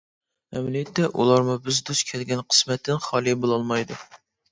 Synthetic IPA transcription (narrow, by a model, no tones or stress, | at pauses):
mɛmlijɛt̪ʰːɛʔṵlˠɑɾmʊbɪzd̪uskʲʰɛlɡʲɛnqʰə̥smɛt̪ʰːɪnχɑlˠɨjbolˠɑlˠmɑjd̪u